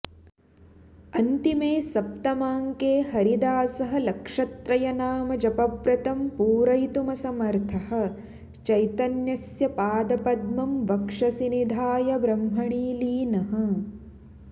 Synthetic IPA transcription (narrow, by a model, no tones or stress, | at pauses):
ɐnt̪imeːsɐp̚t̪ɐmaːŋkeːɦɐɾid̪aːsɐɦɐ̆lɐkʂɐt̪ɾɐjɐnaːmɐd͡ʒɐpɐbɾɐt̪ɐmpuːɾɐjt̪umɐsɐmɐɾt̪ʰɐhɐ̆ | t͡ʃɐjt̪ɐnjɐsjɐpaːd̪ɐpɐd̪mɐmʋɐkʂɐsinid̪ʱaːjɐbɾɐmɦɐɳiːliːnɐɦɐ̆